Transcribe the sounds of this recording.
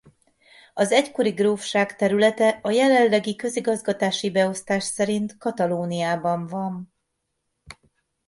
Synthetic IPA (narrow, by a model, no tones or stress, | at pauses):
ɒzɛcko̞ɾiɡroːfʃaːkt̪ɛɾylɛt̪ɛʔɒjɛlɛllːɛɡikø̞ziɡɒzɡɒt̪aːʃibɛo̞st̪aːʃsɛɾint̪kɒt̪ɒloːnijaːbɒɱvɒn